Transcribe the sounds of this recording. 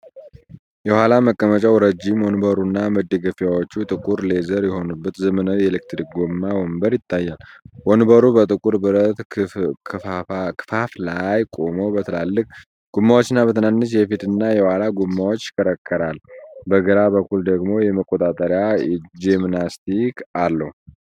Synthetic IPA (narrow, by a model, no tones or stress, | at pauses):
jɛhalaməkʼːəmət͡ʃʼawɾəd͡ʒimwɔnbəɾunːaməd̪ːəɡəfjawot͡ʃːut̪ʼɨkʼuɾle̞zəɾjɛho̞nubːət̪zəmənəwjɛlɨk̚t̪ʰɾik̚ɡomːawɔmbəɾjɪt̪ʰːajːalwɔnbəɾubət̪ʼɨkʼuɾbɨɾət̪ʰ | kʰɨ̥faflajkʼo̞mobət̪ʰəla̰lːɨkʼ | ɡ̥umːawot͡ʃːɨnːabət̪ʰɨnanːɨt͡ʃjɛfit̪ɨnːajɛwalaɡumːawot͡ʃːɪ̥kʰəɾəkːəɾalbəɡəɾabəkːuld̪əɡmo̞jɛməkʼːot̪ʼat̪ʼəɾjad͡ʒemnast̪ʰikʰalːəhu